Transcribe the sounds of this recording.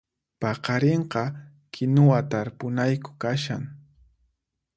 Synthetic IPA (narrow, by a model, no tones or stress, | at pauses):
pɑqɑɾeɴqɑ | kʰɪnʊwat̪aɾpʊnajkʊ̥kaʃaŋ